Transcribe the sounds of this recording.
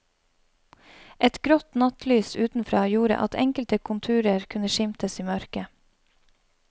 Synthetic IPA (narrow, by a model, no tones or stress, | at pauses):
ʔɛt̪ɡɾɔt̪nɑt̪lyːsʉːt̪n̩fɾɑːjuːɾə̰ʔɑ̰t̪ʰɛŋkəlt̪əkʰʊnt̪ʰʉːɾəɾkʰʉnəʃɪmt̪əsiːmœɾkə